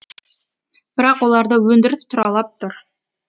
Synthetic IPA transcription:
b̥ɪɾɑqwo̞lˠɑɾd̪əwɵnd̪ɪɾɪst̪ʰʊɾɑlˠɑp̚t̪ʰʊɾ

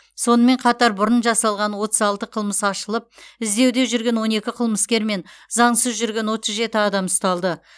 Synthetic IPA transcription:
so̞nəme̞ɴqʰɑt̪ɑɾbʊɾənʒɑsɑlˠʁɑnwo̞t̪əzɑlˠt̪əqʰəlˠməsɑʃəlˠəp̚ɪzd̪e̞wd̪e̞ʒʏɾɡʲe̞nwo̞ne̞kʲɪqʰəlˠməskʲe̞ɾme̞nzɑɴsəzʒʏɾɡʲe̞nwo̞t̪əzʒe̞t̪ɪɑd̪ɑmst̪ɑlˠd̪ə

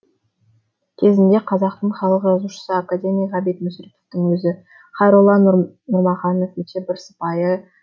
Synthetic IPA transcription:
kʲʰe̞zɪnd̪e̞qʰɑzɑq̚t̪əɴχɑlˠəqʒɑzuʃə̥səakad̪ʲe̞mʲijʁɑbijt̪mʏsɾet̪o̥ft̪ɪŋwɵzɪ | χɑjɾʊlˠːɑn | nʊɾmɑχɑno̞fet͡ʃebɪɾsə̥pɑjə

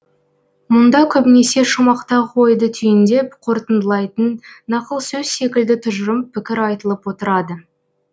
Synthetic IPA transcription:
mʊnd̪ɑkʲʰɵbɪne̞se̞ʃʊmɑqt̪ɑqʰo̞jd̪ət̪ʰʏjɪnd̪e̞pqʰo̞ɾt̪ənd̪əlˠɑjt̪ənːɑqəlˠsɵzse̞kʲɪld̪ɪt̪ʰʊʒəɾəmpʰɪkʲɪɾɑjt̪əlˠəpwo̞t̪əɾɑd̪ə

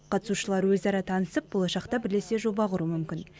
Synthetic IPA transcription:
qʰɑt̪ə̥suʃəlˠɑɾwɵzɑɾɑt̪ʰɑnəsəp̚bo̞lˠɑʃɑqt̪ɑbɪɾle̞se̞ʒo̞bɑqʰʊɾumʏmkʲɪn

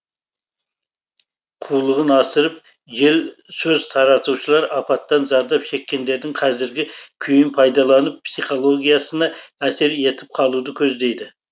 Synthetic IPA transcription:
qʰulˠəʁənɑsəɾəp̚ | ʒe̞lsɵzt̪ʰɑɾɑt̪uʃəlˠɑɾɑpɑt̪ːɑnzɑɾd̪ɑpʃe̞kʲːe̞nd̪e̞ɾd̪ɪŋqʰɑzɪɾɡʲɪkʲʰʏjɪmpʰɑjd̪ɑlˠɑnəp̚psiχo̞lˠo̞ɡʲijɑsənɑæse̞ɾe̞t̪ʰɪp̚qʰɑlˠud̪əkʲʰɵzd̪e̞jd̪ɪ

